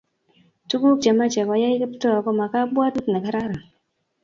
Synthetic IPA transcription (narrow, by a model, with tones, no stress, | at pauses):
tu˦ɡu˦k̚d͡ʒa˨ma˦t͡ʃɛ˨ka˨ja˦i˦ki˦ptɔ˦a˨kɔ˦ma˨ka˦bwa˦du˦tna˨ka˦ɾa˦ɾa˨